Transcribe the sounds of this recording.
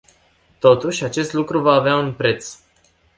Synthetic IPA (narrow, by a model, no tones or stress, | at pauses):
t̪o̞t̪uʃʲat͡ʃe̞st̪lukɾuvaːveaunpɾe̞t̪s